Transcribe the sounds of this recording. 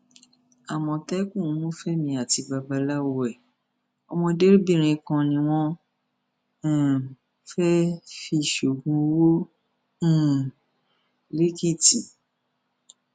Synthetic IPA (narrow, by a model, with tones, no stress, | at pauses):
a˨mɔ̃˧tɛ˦kũ˦˨˦nũ˦fɛ˦mĩ˧a˨ti˧ba˧ba˧la˦wo˧ɛ˦˨ | ɔ˧mɔ̃˧de˦ɾi˦bĩ˦˨ɾ̃ĩ˧kã˧nĩ˧w̃ɔ̃˦˨ | fɛ˦fi˧˨ʃo˨ɡũ˧˦wõ˦˨ | le˦ki˦˨ti˨